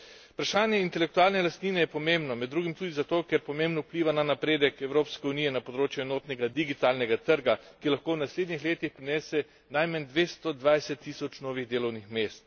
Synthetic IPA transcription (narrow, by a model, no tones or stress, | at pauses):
pɾaʃaːnjɛint̪ɛlɛkt̪uaːlnɛlast̪niːnɛjɛpɔmeːmbnɔmɛd̪ːɾuːɡimt̪uːd̪izat̪oːkɛɾpɔmẽːmbnupliːʋananapɾeːd̪ɛkɛwɾoːpskɛuniːjɛnapɔd̪ɾoːt͡ʃjɛɛnoːt̪nɛɡad̪iɡit̪aːlnɛɡat̪əɾɡakilaxkoːwnasleːd̪nixleːt̪ixpɾinɛːsɛ | najmand̪ʋeːst̪ɔd̪ʋajsɛt̪ːiːsɔt͡ʃnoːʋiɣd̪eːlɔwnixmeːst̪